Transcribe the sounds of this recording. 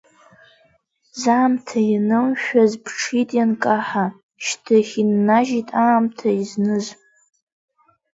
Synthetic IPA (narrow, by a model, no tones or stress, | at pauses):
zaːmtʰajanɨmʃᶣazpʰʈ͡ʂʰitʼjankʼaħa | ʃtʰɨχʲinːaʒitʼaːmtʰaiznɨzʷ